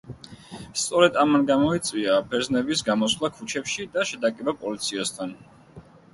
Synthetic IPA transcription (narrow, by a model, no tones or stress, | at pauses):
st̪sʼɔɾɛd̪amanɡamɔit̪sʼviabɛɾznɛbisɡamɔslˠakʰut͡ʃʰɛpʃid̪aʃɛd̪akʼɛbapʼɔlit̪sʰiast̪ʰan